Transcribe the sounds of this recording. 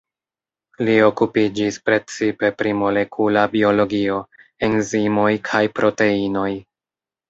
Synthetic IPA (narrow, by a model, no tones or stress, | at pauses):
lio̞kupid͡ʒispɾe̞t͡sipe̞pɾimo̞le̞kʰulabio̞lo̞ɡio̞e̞nzimo̞jkʰajpɾʔo̞te̞ino̞j